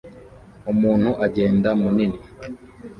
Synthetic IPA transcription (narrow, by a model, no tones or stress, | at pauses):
umuːn̥huʔaɟe̞ːndamunini